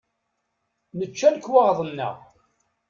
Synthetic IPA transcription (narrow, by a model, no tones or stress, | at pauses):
nət͡ʃːælkːwɑʁðˤənːə̰ʁ